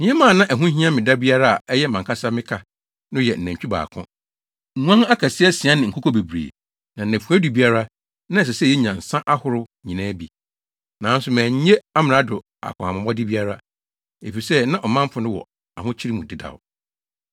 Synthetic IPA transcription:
mĩ˨˦ɛ˦mãː˦˨nã˦ʔæ˨ɦũ˦ɦĩ˦a˦mɪ̃˨da˦bi˦a˦ɾa˦a˨ɛ˦jɛ˦mã˨kʰa˦sa˦mɪ̃˦kʰa˨ | nʊ̃˦jɛ˨n̩˨næ̃˨ɲ˨t͡ɕᶣu˦ba̰ː˨kʰʊ̰̃˦ | ŋ̩ʷ˨˦ã˦ŋa˦kʰa˨sɪ˦ɛ˦sɪ˨ã˦nɪ̃˨ŋ̩˨kʰɔ˦kʰɔ˦be˨bɾḛː˨ | nã˨n̩˨æ̃˨fu˨æ˦du˨bi˦a˦ɾa˦ | nã˦˨s̬ɛ˨sɛ˦˨ɛ˦ɲã˨n̩˨sã˦ʔa˦hʊ˦ɾʊ˦ɲĩ˨nãː˦bi˨ | nã˨˦n̩˦sʊ˨mæ̃ː˨ɲ̩˦ɲe˦a˦mɪ̃˨ɾa˦dʊ˨ | a̰˨kʰʊ̃˨a˨mã˨bɔ˦dɪ˦bi˦a˦ɾa˦ | e˨fi˨sɛ˦nã˦ʔɔ˨mã˦m˦pʰʊ˨nʊ̃˦wɔ̰˨ | a˨hʊ̃˦t͡ɕʰi˦ɾi˦mũ˨dɪ˦da̰˨ʊ˨

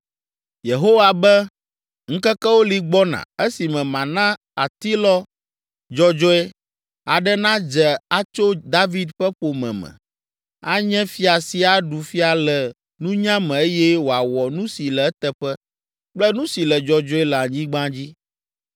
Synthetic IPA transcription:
je˨ɦo˦wa˨bɛ˦ | ŋ̩̃˦kɛ˦kɛ˦wo˦li˨ɡ͡bɔ˦nã̰˨e˦si˨mɛ̃˨mã˨nã˦ | a˨t̪i˦lɔ˦ | d͡ʒɔ˦d͡ʒɔ˦ɛ˦ | a˨ɖɛ˦nã˦d͡ʒɛ˨a˦t͡ʃo˦d̪a˦vi˦d̪ɸɛ˦ɸo˨mɛ̰̃˨mɛ̰̃˨ | a˦ɲɛ̃˦fi˦a˨si˦a˨ɖu˨fi˦a˨lɛ˨ | nũ˦ɲã˦mɛ̃˨e˦jɛ˦wo˨a˨wɔ˨nũ˦si˨lɛ˨ɛ˦t̪ɛ˦ɸɛ˦ | k͡plɛ˦nũ˦si˨lɛ˨d͡ʒɔ˦d͡ʒɔ˦ɛ˦lɛ˨a˨ɲĩ˦ɡ͡bã˦d͡ʑi˦

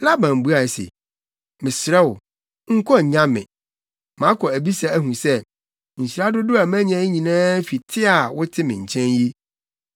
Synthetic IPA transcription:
la˦bã˨m˨bu˦a˨sḛ˨ | mɪ̃˨sɾɛ˦wʊ˨ | ŋ̩˦kʰɔ˦˨ɲã˦mɪ̰̃˨ | mã˨˦kʰɔ˨æ˨bi˦sa˨æ˦ɦũ˨sɛ˦ | ɲ̩˨ɕi˨ɾa˦dʊ˦dʊ˦a˨mæ̃˦ɲã˦ɲĩ˨nãː˦fi˨tʰɪ˦a˨wʊ˦tʰɪ˦mɪ̃˨ɲ̩˨t͡ɕʰɛ̃˦nji˦

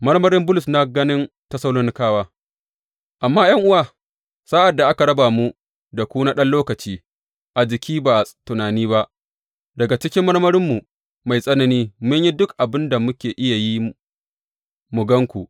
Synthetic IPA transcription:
mɐ˦ɽmɐ˦ɾɪ˦mbʊ˦lʊ˨sna˦ɡɐ˦nɪ˦n | tɐ˦sɐ˦wloː˦nɪ˦kaː˦waː˦ | ʔa˨mːaː˦jɐ˦ŋʔʊ˦waː˦ | sa˦ʔa˨dːa˨ʔa˦ka˨ɽɐ˦baː˨mu˦ | da˨kʷuː˦naː˦ɗɐ˦nloː˦kɐ˨t͡ʃiː˦ | ʔa˨d͡ʒɪ˨kʲiː˦baː˨ʔtʊ˨naː˨niː˦βa˦ʔ | dɐ˨ɡa˨t͡ʃɪ˦kʲɪ˦mːɐ˦ɽmɐ˦ɾɪ˦mːu˨ | ma˨jsʼɐ˦nɐ˨niː˦mʊ˦ɲji˦dʊ˦kʔa˨bɪ˦nda˨mʊ˦kʲeː˨ʔɪ˦ja˨ji˦ | mʊ˨ɡɐ˦ŋkʷu˨ʔ

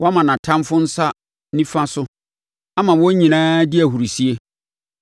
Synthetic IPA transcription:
wʔɔ˦mã˨nã˨tʰã˦mfʊ˦n̩˦sa˦ | nĩ˦fã˦sʊ˦ | a˦mã˨wɔ˦ɲĩ˨nãː˦dɪ˦æ˨ɦu˨ɾi˨si˦e˦

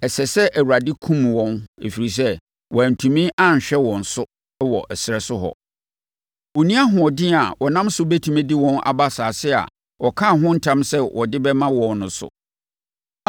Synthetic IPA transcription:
ɛ˨sɛ˨sɛ˦ʔæ˨wu˨ɾa˨dɪ˦kʰũ˦mwɔ̃˦nḛ˨fi˨ɾi˨s̬ɛ˦ | wɔ˨æ˨n̩˨tʰũ˨mĩ˦ʔa˦˨n˨ɕᶣɛ˦wɔ̃˨n̩˨sʊ˦ | wɔ˨ʔɛ˨sɪ˨ɾɛ˨sʊ˦ɦɔ̰˨ | ɔ˨nĩ˦a˦ɦʊ̃˨ɔ˨dɪ˦a˨wɔ˨nã˦msʊ˦bɛ˦tʰu˨mẽ˦di˦wɔ̃˦na̰˨ba˦saː˨sɪ˦a̰˨ | wɔ˨kʰã˦˨ɦʊ̃˦n̩˦tʰã˦msɛ˦wʔɔ˨dɪ˦bɛ˦mã˦wɔ̃˨nnʊ̃˨sʊ̰˨

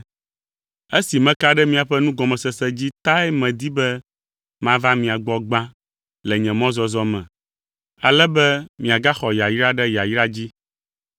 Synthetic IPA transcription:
e˦si˨mɛ̃˦ka˦ɖɛ˦mĩ˦a˨ɸɛ˦nũ˦ɡɔ˨mɛ̃˨sɛ˨sɛ˦d͡ʑi˦t̪a˦ɛ˦mɛ̃˨d̪i˦bɛ˦ | mã˦va˦mĩ˨a˨ɡ͡bɔ˨ɡ͡bã˦ | lɛ˨ɲɛ̃˨mɔ̃˦zɔ˦zɔ˦mɛ̰̃˨ | a˨lɛ˦bɛ˦mĩ˨a˨ɡa˦xɔ˨ja˨ji˦ɾa˦ɖɛ˦ja˨ji˦ɾa˦d͡ʑi˦

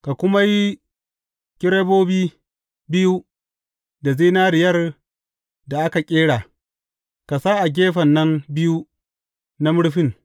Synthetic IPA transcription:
ka˨kʷʊ˦ma˦ji˦ | kʲɪ˦ɽe˦boː˦biː˦ | bɪ˦ju˦ | da˨zi˦naː˦ɾɪ˨jɐ˦r | da˨ʔa˦ka˨kʲʼeː˦ɽa˨ | ka˨sa˦ʔa˨ɡ̬ʲeː˦ɸɐ˨nːɐ˦mbɪ˦ju˦ | na˦mʊ˦ɽɸɪ˦ŋ

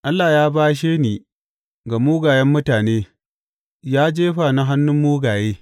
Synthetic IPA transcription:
ʔa˦lːaː˨jaː˦baː˦ʃ̬eː˦niː˨ | ɡa˨muː˦ɡaː˨jɛ˦mːʊ˦taː˨neː˦ | jaː˦d͡ʒeː˦ɸa˨na˦ɦa˦nːʊ˦mːuː˦ɡaː˨jeː˦

